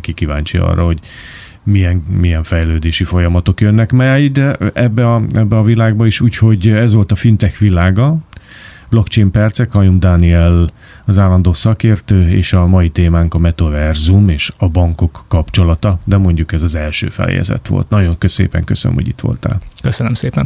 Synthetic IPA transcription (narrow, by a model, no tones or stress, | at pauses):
kikivaːɲt͡ʃiɒ̰rɒɦo̞ɟ | mijɛŋmijɛɱfɛjløːd̪eːʃifo̞jɒmɒt̪o̞kjønːɛkmɛjd̪ɛɛbːɛɒɛbːɛɒvilaːɡ̚bɒiʃuːcho̞ɟɛzʋo̞lt̪ɒfint̪ɛxʋilaːɡɒ | blo̞kt͡ʃejmpɛrt̪sɛkɒjumd̪aniɛl | ɒzaːlːɒnd̪oːsɒkeːrt̪øːḛːʃɒmɒit̪eːmaːŋkɒmɛt̪ɒvɛrzumeːʃɒbɒŋko̞kːɒpt͡ʃo̞lɒt̪ɒd̪ɛmo̞ɲɟukɛzɒzɛlʃø̰ːfɛ̰jɛ̰zɛ̰t̪ʋo̰lt̪nɒɟo̞ŋkøsḛːpɛ̰ŋkøsə̰nø̰mhoɟḭt̪ʋo̰lt̪a̰ːlkøsønømseːpɛn